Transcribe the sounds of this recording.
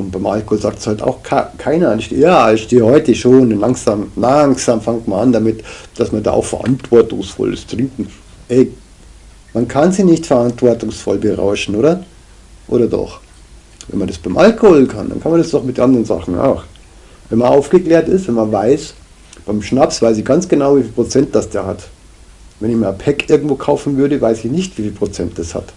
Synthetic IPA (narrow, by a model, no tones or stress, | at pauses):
ʔʊnt̚b̥aɪmʔa̰lkohoːlzaːk̚tshalta̰ʊxkʰakʰaɪnɐnɪçʃtḛjaːɪçʃteːhɔʏtəʃoːnnlaŋsaːmlaŋsaːmfaŋtmaʔandamɪtd̥asmɐnda̰ːʔa̰ʊxfɛɐʔa̰ntv̥ɔɐtʊŋsfɔ̰lɪ̰stʁ̥ɪŋkŋ̩ | ʔɛː | mankʰanziːnɪçtfɛɐantv̥ɔɐtʊŋsfɔ̰lbəʁa̰ʊʃn̩ʔoːdɐ | ʔo̰ːɾɐdɔ̰χ | vɛ̰nmandasb̥aɪmʔalkohoːlkʰanda̰nkʰanmandasd̥ɔχmɪt̚dnʔandʁənza̰χn̩a̰ʊx | vɛnmanʔaʊfɡ̥əkleːɐtɪstvɛnmanvaɪs | b̥aɪmʃnapsv̥aɪsɪçɡ̥ant͡sɡ̥ənaʊviːfiːlpʁ̥ot͡sɛnt̚d̥asd̥eːɐhat | vɛnɪçmiːpʰɛkʔɪɐɡŋ̩tv̥oːkʰaʊfn̩vʏɐɾəvaɪsɪçnɪçtv̥iːfiːlpʁ̥ot͡sɛnt̚d̥asha̰t